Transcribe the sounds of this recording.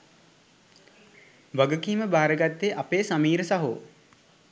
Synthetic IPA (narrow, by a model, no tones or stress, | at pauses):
ʋaɡəkiːməbaːɾəɡat̪ːeʔapeːsamiːɾəsaɦo̰ː